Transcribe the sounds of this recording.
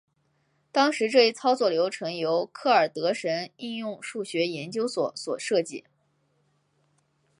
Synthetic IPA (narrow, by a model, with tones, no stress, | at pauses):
t̪ɑ˥ŋʂɻ̩˧˥ʈ͡ʂɤ˥˧i˥˩t͡sʰɑ˥ʊt͡swɔ˥˩ljo˧˥ʊʈ͡ʂʰɤ˧˥ŋjo˧˥ʊkʰɤ˥˩ə˞˨˩t̪ɤ˧˥ʂə˧˥ni˥˧njʊ˥˧ŋʂu˥˩ɕɥɛ˧˥jɛ˧˥nt͡ɕjo˥ʊswɔ˨˧˩swɔ˨˩ʂɤ˥˧t͡ɕi˥˩